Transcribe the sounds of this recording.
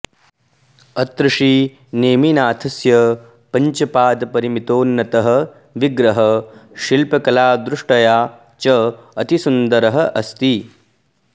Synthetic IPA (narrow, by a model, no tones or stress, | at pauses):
ɐt̪ɾuʂi | neːminaːt̪ʰɐsjɐ | pɐɲt͡ʃɐpaːd̪pɐɾimit̪oːnːɐt̪ɐɦɐ̆ | ʋiɡɾɐɦɐʃilpɐkɐlaːd̪ɾuʂʈɐjaː | t͡ʃɐɐt̪isund̪ɐɾɐɦɐʔɐst̪i